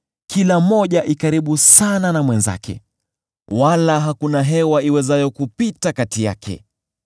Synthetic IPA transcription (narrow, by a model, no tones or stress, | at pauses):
kilam̩ɔʄaʔikaɾiɓusananamwɛnza̰kɛ̰ | walaɦakunaɦɛwaiwɛzajɔkupitakatija̰kʰɛ̰